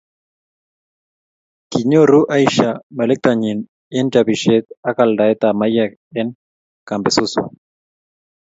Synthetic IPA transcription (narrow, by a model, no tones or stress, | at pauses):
kiɲoruʔajʃamelek̚t̪aɲin | ent͡ʃaβiʃet̪akald̪aet̪amaja | eŋ | kambesusua̰